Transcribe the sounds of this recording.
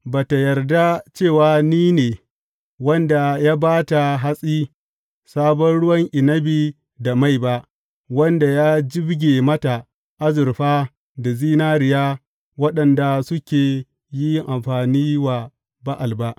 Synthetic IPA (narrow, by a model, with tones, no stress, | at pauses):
baː˨ta˨jɐ˨rda˦t͡ʃeː˦˨waː˨niː˦neː˨ | wɐ˦nda˨jaː˦baː˦ta˨ɦa˦sʼiː˦ | saː˦bɔ˦nɽʊ˦wɐ˦ŋʔɪ˨nɐ˦biː˨ | da˨ma˦˨jba˦ʔ | wɐ˦nda˨jaː˦d͡ʒɪ˦bɡʲe˨mɐ˦ta˨ | ʔa˦zʊ˨ɾɸaː˦ | da˨ziː˦naː˦ɾɪ˨ja˦ | wɐ˦ɗɐ˨nda˨sʊ˦kʲeː˨ | ji˦ʔa˨mɸaː˨niː˦wa˨ | ba˦ʔa˨lba˦ʔ